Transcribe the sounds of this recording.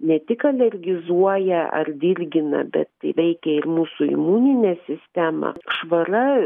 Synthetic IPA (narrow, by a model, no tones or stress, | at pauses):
nʲɛt̪ʲɪkɐlʲɛrʲɡʲɪzuɔjɛʔɐ̰rd̪ʲɪrʲɡʲɪnɐ̰bʲɛ̰t̪tɐɪʋʲɛɪkʲɛɪrmuːsuɪ̰muːnʲɪnʲɛːsʲɪsʲt̪ʲæːmɐ̰ʃʋɐɾɐ